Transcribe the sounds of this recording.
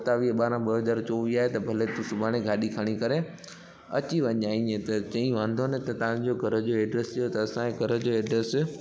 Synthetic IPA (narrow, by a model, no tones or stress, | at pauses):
ɐt̪aʋiɦəɓaːɾãɓɐɦɐzaːɾt͡ɕoːʋiaːɦet̪ɐbʱɐlet̪ũsʊbʱaːɽ̃eɡʱaːɗikʰaɽ̃ikɐɾe | ɐ̰t͡ɕiʋɐ̃ɲaːĩẽt̪ɐt͡ɕɐ̃ĩʋãːnd̪ʱonet̪ɐt̪ɐʋã̆d͡ʑoɡʱɐɾəd͡ʑoeːɖɾest̪ʰijot̪ɐɐsãeɡʱɐɾə̆d͡ʑoɛːɖɾɛs